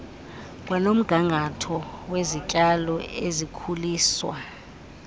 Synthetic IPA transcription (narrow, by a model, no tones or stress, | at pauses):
k̬ʼwanom̩ɡ̥ʱaŋʱatʰɔwezicʼalɔezikʰuliːswa̰